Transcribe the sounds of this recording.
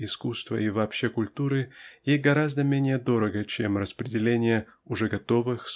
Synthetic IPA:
ɪskust̪və̰ivɐːpɕːekʊlʲt̪uɾɨjejɡɐɾazd̪əmʲenʲɪjəd̪o̞ɾəɡət͡ɕemrəspɾʲɪdʲɪlʲenʲɪjəʊʐɛɡɐt̪o̞vɨxs

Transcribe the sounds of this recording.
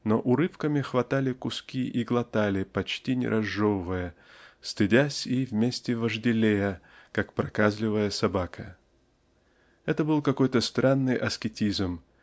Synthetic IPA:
noʔʊɾɨfkəmʲɪxvɐt̪alʲɪkʊskʲiʔiɡlˠɐt̪alʲɪpɐt͡ɕtʲinʲɪ̰ɾʔɐʐːovəvɨjə | st̪ɨdʲæsʲivmʲesʲtʲɪvəʐdʲɪlʲejə | kakpɾɐkazlʲɪvəjəsɐbakʰə | ɛt̪əbɨlˠkɐko̞jt̪əst̪ɾʔanːɨjʔɐskʲɪtʲizm

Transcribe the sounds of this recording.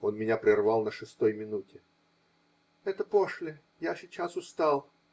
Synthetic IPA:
o̞nmʲɪnʲapɾʲɪrvɑlˠnəʂɨst̪o̞jmʲɪnutʲɪ | ɛt̪əpoʂlʲɪ | jasʲɪt͡ɕasʊst̪alˠ

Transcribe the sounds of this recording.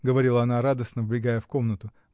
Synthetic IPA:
ɡəvɐɾʲilˠəɐnaɾad̪əsnəvblʲɪɡajəfko̞mnət̪ʊ

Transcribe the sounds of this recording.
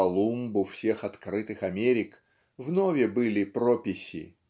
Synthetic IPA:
ɐlˠumbʊfsʲe̞xɐt̪kɾɨt̪ɨxɐmʲeɾʲɪk | vnovʲɪbɨlʲɪpɾopʲɪsʲɪ̰

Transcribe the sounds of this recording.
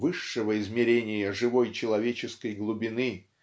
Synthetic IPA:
vɨʂːɨvəɪzmʲɪɾʲenʲɪjəʐɨvo̞jt͡ɕɪlˠɐvʲet͡ɕɪskəjɡlˠʊbʲɪnɨ

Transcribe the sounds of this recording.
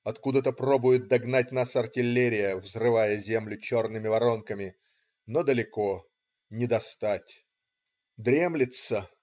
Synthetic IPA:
ɐt̪kud̪ət̪əpro̞bʊjɪt̪̚d̪ɐɡnat̚ʲnasɐrtʲɪlʲːeɾʲɪjəvzrɨvajəzʲe̞mlʲʊt͡ɕo̞rnɨmʲɪvɐɾo̞nkəmʲɪ | nod̪əlʲɪko̞ | nʲɪd̪ɐst̪atʲ | d̪ɾʲemlʲɪt̪sə

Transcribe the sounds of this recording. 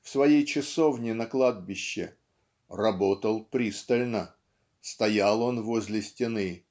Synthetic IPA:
fsvɐjejt͡ɕɪsovnʲɪnɐklˠad̪̚bʲɪɕːɪ̰ | rɐbot̪əlˠpɾʲist̪əlʲnə | st̪ɐjalˠo̞nvozʲlʲɪsʲtʲɪnɨ

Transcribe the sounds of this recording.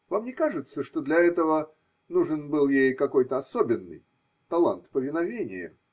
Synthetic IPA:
vamnʲɪkaʐɨt̪səʂt̪od̪lʲɐɛt̪əvə | nuʐɨnbɨlˠjejkɐko̞jt̪əɐsobʲɪnːɨ̰j | t̪ɐlˠant̪pəvʲɪnɐvʲenʲɪ̰jə̰

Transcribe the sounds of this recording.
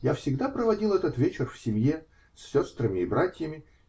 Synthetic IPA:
jafsʲɪɡd̪apɾəvɐdʲilˠɛt̪ət̪vʲet͡ɕɪrfsʲɪmje | sːʲo̞st̪ɾəmʲɪːbɾatʲjəmʲɪ

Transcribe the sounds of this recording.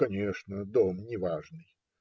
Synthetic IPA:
ɐnʲeʂnəd̪omnʲɪvaʐnɨj

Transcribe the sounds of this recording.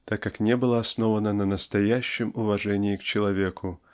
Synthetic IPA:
t̪akːaknʲebɨlˠəɐsnovənənənəst̪ɐjæɕːɪmʊvɐʐɛnʲɪːkt͡ɕɪlˠɐvʲekʰʊ

